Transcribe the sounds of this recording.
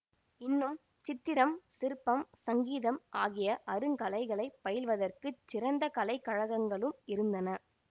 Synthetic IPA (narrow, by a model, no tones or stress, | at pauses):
ɪnːɯm | t͡ʃɪt̪ːɪɾɐmsɪɾɯpːɐmsɐŋɡiːðɐmʔaːɣɪjɐʔɐɾɯŋkɐlɐɪɣɐɭɐɪpːɐjɪlʋɐðɐrkɯt͡ʃːɪɾɐnd̪ɐkɐlɐɪkːɐɻɐɣɐŋɡɐɭɯmɪɾɯnd̪ɐnɐ